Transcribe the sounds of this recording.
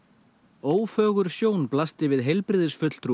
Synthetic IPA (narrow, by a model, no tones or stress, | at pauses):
oːwfœːɣʏɾ̥sjoːwnplast̪ɪvɪðɦejlpɾɪðɪsfʏt̪l̥t̪ʰɾu